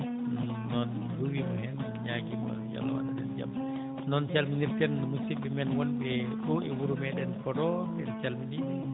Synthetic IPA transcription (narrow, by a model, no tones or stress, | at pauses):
nɔn | duwimahɛnɔnɲaɡima̰ja̰lɔ̰wa̰nadɛnd͡ʒa̰m | nɔnt͡ʃalminirkɛnmusibimɛnwɔndɛɗɔʔɛwuɾumɛɗɛnkɔdɔ | ɛ̰nt͡ʃalmidi